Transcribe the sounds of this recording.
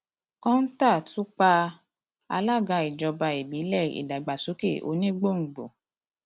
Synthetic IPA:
kã˦n̩˦ta˦˨tu˨˦k͡pa˧ | a˧la˦˨ɡa˧i˨d͡ʒɔ˧ba˧e˨bi˨˦lɛ˦˨ḭ˨da˨ɡ͡ba˨su˨˦ke˦˨ʔo̰˨˧˦nĩ˦ɡ͡bo˦˨ŋ̩˨ɡ͡bo̰˨

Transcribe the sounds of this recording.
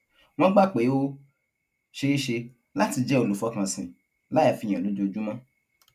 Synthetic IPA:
w̃ɔ̃˦ɡ͡ba˦˨k͡pe˨˦o˦ | ʃe˧˦i˦ʃe˧ | la˦ti˧d͡ʒɛ˦o˨˧lu˨fɔ˨˦kã˨sĩ˨ | la˦ja˨fĩ˨˧˨ã˨lũ˨˦d͡ʒo˧d͡ʒu˦mã˦

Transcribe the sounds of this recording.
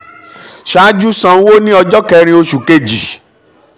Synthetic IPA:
ʃa˨˦d͡ʒu˦sã˧˦wo˦nĩ˦ɔ˧d͡ʒɔ˦kɛ˧ɾ̃ĩ˧o˧ʃu˨ke˧˨d͡ʒi˨

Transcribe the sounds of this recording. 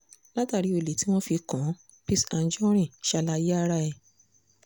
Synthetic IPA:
la˦ta˦˨ɾi˨˦o˧˨le˨˦ti˨˦w̃ɔ̃˦fi˧kã˨˦ | pi˦sã˧n̩˦d͡ʒɔ̃˦ɾ̃ĩ˦˨ʃa˧la˧je˦a˦˧ɾa˧˦ɛ˨

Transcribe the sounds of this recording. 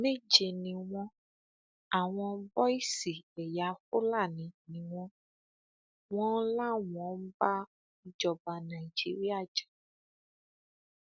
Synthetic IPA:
me˦d͡ʒe˨nĩ˨w̃ɔ̃˧ | a˨w̃ɔ̃˧bɔ˦i˦si˨ɛ˨ja˨˦fo˦la˦˨nĩ˨nĩ˨w̃ɔ̃˧ | wɔ̃˦la˦wɔ̃˨˦m̩˦ba˦ | i˦d͡ʒɔ˨ba˧nã˨i˨d͡ʒḭ˦ɾi˦a˦˨d͡ʒḁ˨

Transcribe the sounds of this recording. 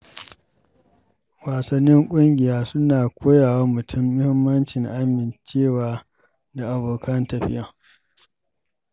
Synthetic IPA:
waː˨sɐ˦nːɪ˦ŋkʷʼʊ˦ŋɡʲɪ˨jaː˦sʊ˦naː˨kʷʰoː˦jaː˨wa˦mʊ˨tʰʊ˦mːʊ˦hɪ˦mːɐ˦nt͡ʃɪ˨ŋʔa˦mɪ˨nt͡ʃeː˦˨waː˨ | da˨ʔa˨boː˨kʰɐ˦ntɐ˨ɸɪ̰˦jɐ˦ŋ

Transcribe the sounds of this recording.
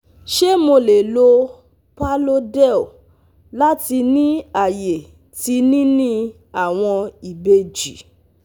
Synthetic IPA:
ʃe˦mo˧le˨lo˧ | pa˦lo˦dɛ˦˨ | la˦ti˧nĩ˦a˨je˨ | ti˧nĩ˦nĩ˦ | a˦˨w̃ɔ̃˧i˨be˧d͡ʒi˨

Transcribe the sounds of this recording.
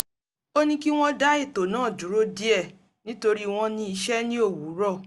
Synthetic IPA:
o˦nĩ˦ki˦w̃ɔ̃˦da˦i˦˨to˨nãː˦˨d͡ʒu˨˦ɾo˦di˦ɛ˦˨ | nĩ˦to˧ɾi˦w̃ɔ̃˦nĩ˧˦i˧ʃɛ˦nĩ˦o˦˨wu˨˦ɾɔ˦˨

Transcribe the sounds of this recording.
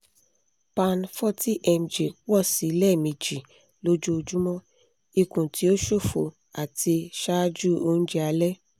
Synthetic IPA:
pã˧n˨fɔ˦˨ti˦ʔɛ˧m̩˨d͡ʒe˨wɔ˦˨si˨˦˧lɛ˦˨mĩ˧d͡ʒi˨ | lo˦d͡ʒu˦o˧d͡ʒu˦mɔ̃˦ | i˧kũ˨tʰi˨˦o˦ʃo˦˨fo̰˨ | a˨ti˧ʃa˦d͡ʒu˦o˧˦ñ̩˦d͡ʒɛ˦a˧lɛ˦

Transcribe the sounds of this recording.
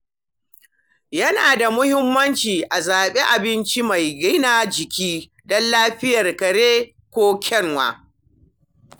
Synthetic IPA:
jɐ˦naː˨da˨mʊ˦hɪ˦mːɐ˦nt͡ʃiː˨ʔa˨zaː˨ɓe˦ʔa˨bɪ˦nt͡ʃi˦ma˨jɡɪ˦naː˨d͡ʒɪ˨kʲiː˦ | dɔ˦nlaː˦ɸɪ˦jɐ˨rkɐ˨ɽeː˦ | kʷoː˦kʲʰɛ˦ŋwa̰ː˨

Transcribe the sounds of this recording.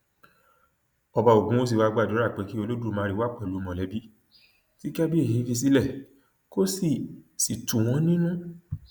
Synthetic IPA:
ɔ˧ba˧o˨ɡũ˦o˦s̬i˦˨wa˧ɡ͡ba˦˨do˨˦ɾa˦˨k͡pe˨˦ki˦o˧lo˦du˦˨mãː˧˦˧ɾi˦wa˦˨k͡pɛ˦˨lu˨˦˧mɔ̃˨lɛ˨˦bi˦ | ti˦ka˦bi˦e˦˨i˨˦fi˧s̬i˦lɛ˦˨ | ko˦si˦˨si˨tũ˨w̃ɔ̃˨˦nĩ˦nũ˦

